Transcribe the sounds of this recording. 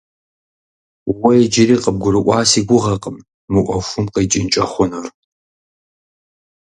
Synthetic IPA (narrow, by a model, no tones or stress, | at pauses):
wɔjɛd͡ʒɪriːqəb̚ɡʷʊɾɨʔʷɑːsiːɡʷʊʁɐqʼəmː | ɨʔʷɔfʷʊmqəjt͡ʃʼɪnt͡ʃʼɐχʷʊnɐr